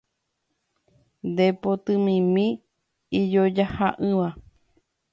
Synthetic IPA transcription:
nd̪epot̪ɨmĩmĩ | id͡ʒod͡ʒahaʔɨ̃ʋa

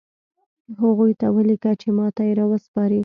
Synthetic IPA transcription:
ɦaɣujt̪awəlikat͡ʃemɑt̪ajeɾɑwəspɑɾi

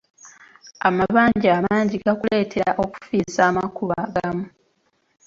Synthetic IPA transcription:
amaβaːɲɟaːmaːɲɟiɡakule̞ːtʰe̞ɾa̰ʔo̞ku̥fiːsaːmakuβaɡamu

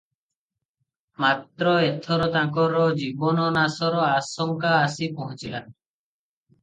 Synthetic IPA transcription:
mat̪ɾɔet̪ʰɔɾɔt̪ãkɔɾɔd͡ʒibɔnɔnasɔɾɔasɔŋkaːsipɔɦɔ̃t͡ʃilan

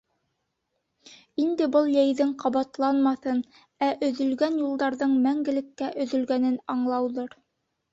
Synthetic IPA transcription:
ind̪ɘbɤlˠjæjðɘŋqɑβɑt̪lˠɑnmɑθɤn | æʔɵ̆ðɵ̆lɡænjulˠd̪ɑɾðɤɴmæŋɡɘ̆lɘ̆kːæʔɵ̆ðɵ̆lɡænɘnɑɴlˠɑwðɤɾ

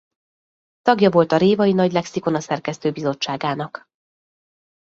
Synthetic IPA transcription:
t̪ɒɡjɒvo̞lt̪ɒɾeːvɒjinɒɟlɛksiko̞nɒsɛrkɛst̪øːbizo̞t͡ʃːaːɡaːnɒk

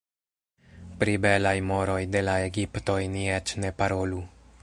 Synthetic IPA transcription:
pɾibelajmoɾojd̪elaeɡipt̪ojniet͡ʃnepaɾolu

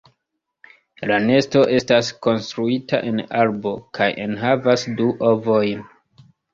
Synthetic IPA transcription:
lane̞sto̞ʔe̞stasko̞nstɾuita̰ʔe̞nalbo̞kʰajḛnɦavasduʔo̞vo̞jn

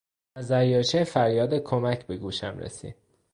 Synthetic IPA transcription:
æzæɾjɒːt͡ʃʰefæɾjɒːd̪ekʰomæcʰbe̞ɡuːʃæ̰mɾḛsḭːd̪̥̚

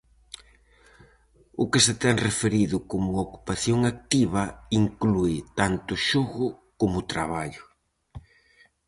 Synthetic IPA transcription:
ʊkɪset̪ɛŋrefeɾiðʊkomʊoku̥paθjoŋak̚t̪iβɐiŋkluɪt̪ant̪ʊʃoɣʊ | komʊt̪ɾa̰βaʎʊ

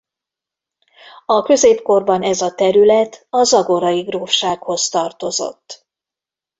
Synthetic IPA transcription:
ɒkø̞zeːpko̞rbɒnɛzɒt̪ɛɾylɛt̪ɒzɒɡo̞ɾɒiɡroːfʃaːkho̞st̪ɒrt̪o̞zo̞̰t̪ː

